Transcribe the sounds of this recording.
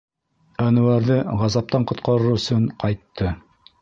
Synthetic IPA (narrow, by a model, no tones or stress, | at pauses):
ænɵ̆wæɾðɘʁɑzɑp̚t̪ɑɴqŏt̪̚qɑɾɤɾɵ̆sɵɴqʰɑjt̪ʰːɤ